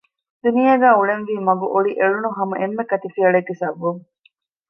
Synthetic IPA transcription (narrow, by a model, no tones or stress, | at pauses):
d̪unijɐɡæːuɭenʋiːmɐɡuʔoɭiʔeɭunuɦɐmɐʔemːekɐt̪ifiɐɭeɡːisɐʋːuŋ